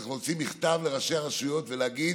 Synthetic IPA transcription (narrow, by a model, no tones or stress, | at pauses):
aχnuot͡simiχt̪avle̞ʁaʃeaʁaʃujo̞t̪veleaɡi